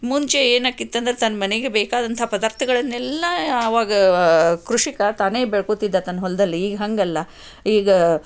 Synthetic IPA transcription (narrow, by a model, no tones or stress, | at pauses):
muɲt͡ʃeeːnaːkːit̪ːɐnd̪ɾet̪ɐnːɐmɐneɡebeːkaːd̪ɐnt̪ʰɐpɐd̪aːɾt̪ʰɐɡɐɭɐnːɛlːɐːʋaːɡɐkɾuʂikɐt̪aːne̞ːbeɭkoːt̪ːid̪ːat̪ɐnːɐɦɔlːɐd̪ɐlːiːɡɐɦɐŋɡɐlːɐ | iːɡɐ